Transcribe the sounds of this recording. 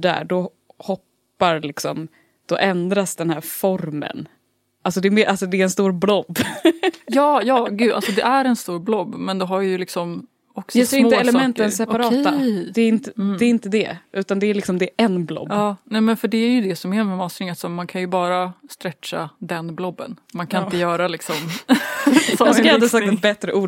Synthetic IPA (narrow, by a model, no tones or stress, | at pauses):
ɖæ̰ːɖɔ | hɔpː | aɾlɪksɔ̰m | d̪̥ɔʔɛnd̪ɾasd̪ɛnhæːɾfɔɾmə̰n | ʔalsɔd̪ɛɾmeːɾʔalsɔd̪ɛːɾɛnst̪uːɾblɔbː | jɑːjɑːɡʉ̟ːd̪a̰lsɔd̪ɛʔæɾɛnst̪uːɾblɔbːmɛnd̪ɛɦaɾjjɵlɪksɔm | ɔksjɑɡseːɾɪnt̪əɛlɛmɛnt̪ːənsɛpaɾɑːt̪ːad̪ɛːɾɪnt̪əɛːɾɪnt̪əd̪ɛ̰ʔʉ̟ːt̪and̪ɛæɾɭɪksɔmd̪ɛæɾʔɛnblɔ̰bːnɛːmɛnfœɖɛæɾjɵd̪ɛsɔmɛmɛmɑːsɾɪŋat̪sɔːankʰanjɵbɑːɾast̪ɾɛtʂa̰d̪ɛnblɔbːə̰nmankʰanɪnt̪əjœːɾalɪksɔm | mɛaad̪əsak̚t̪ɛt̪bɛt̪ɾəʔuː